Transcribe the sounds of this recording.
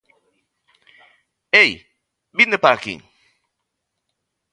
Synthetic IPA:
ej | bind̪epaɾakḭŋ

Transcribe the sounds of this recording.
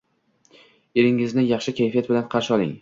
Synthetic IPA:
e̞ɾɪŋɪznɪjɑχʃɪkʲajfiat̪bɪlanqʰɑɾʃɪɒlˠɪ̰ŋ

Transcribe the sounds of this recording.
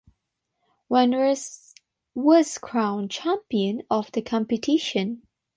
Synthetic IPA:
wɛ̃nɹəs | wʌz̥kʰɹ̥ãʊ̃nt͡ʃʰæ̃mpiɨ̃nɔvd̪əkʰɑ̃mpɨtʰɪʃɨ̃n

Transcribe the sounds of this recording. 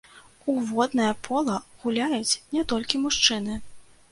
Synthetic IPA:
uvɔd̪nɐjɐpʰɔlˠɐɣulʲajut͡sʲnʲɛt̪ɔlʲkʲimuʂt͡ʂɨnɨ

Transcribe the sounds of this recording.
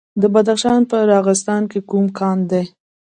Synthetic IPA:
d̪əbad̪axʃɑnpəɾɑɣɪst̪ɑnkekumkʰɑnd̪e

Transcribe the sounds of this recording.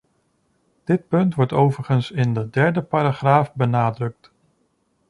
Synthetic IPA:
d̥ɪt̚pɵntʋɔɹtowvəɹχənsɪndədɛɹdəpaːɾaχraːfbənaːdrɵk̚t

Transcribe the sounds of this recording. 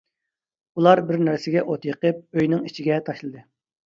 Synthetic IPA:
ulˠɑɾbɪɾnæɾsɪɡʲɛʔot̪jəqəp̚øjnɪŋit͡ʃʰiɡʲɛt̪ʰɑʃlˠɨd̪ɨ

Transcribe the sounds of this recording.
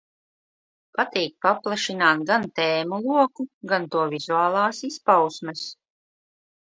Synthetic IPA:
pat̪iːk̚paplˠaʃinaːt̪ɡant̪ɛːmulˠuɔkuɡant̪uɔvizuaːlˠaːsispawsmɛs

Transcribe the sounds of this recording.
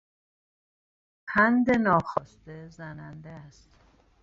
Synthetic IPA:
pʰænd̪e̞nɒːxɒːst̪ezænænd̪eæst̪

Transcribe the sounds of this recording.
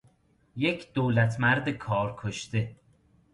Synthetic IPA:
jecʰd̪̥oːlæt̪ʰmæɾd̪ekʰɒːɾkʰoʃt̪e

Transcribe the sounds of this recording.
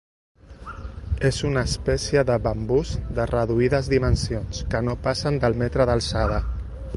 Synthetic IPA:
ezunəːspɛsiəðəβəmbuzd̪ərəðuiðəzðimənsionskənopasənd̪əlˠmɛt̪ɾəðəlˠsað̞ə

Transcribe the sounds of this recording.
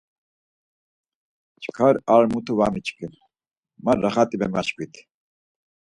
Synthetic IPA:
t͡ʃʰʼkʰaɾaɾmut̪ʰuvamit͡ʃʼkʰʼən | maɾːaχat̪ʼimɛmaʃkʰʼit̪ʰ

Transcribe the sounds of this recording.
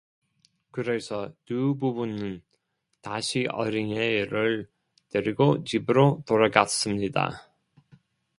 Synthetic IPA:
kɯɾe̞sʰʌtububunɯn | taɕʰiʔʌ̰ɾiŋeɾɯɭ | tɯɾiɡot͡ɕibɯɾot̪oɾaɡas͈ɯmɲida̰

